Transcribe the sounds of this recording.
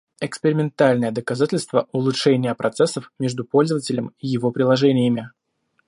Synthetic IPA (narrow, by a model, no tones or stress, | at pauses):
ɛkspʲɪɾʲɪmʲɪnt̪alʲnəjəd̪əkɐzatʲɪlʲst̪vəʔʊlˠʊtʂɛnʲɪjəpɾʔɐt̪sɛsːəfmʲeʐd̪ʊpo̞lʲzəvətʲɪlʲəmijɪvo̞pɾʲɪlˠɐʐɛnʲɪjəmʲɪ